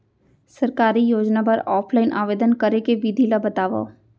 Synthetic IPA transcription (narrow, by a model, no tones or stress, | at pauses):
sɐɾkaːɾijoːd͡ʒnapɐɾɔːpʰlaːɪnʔa̰ːʋeːd̪ənkɐɾekeʋid̪ʱilabɐt̪aːʋa̰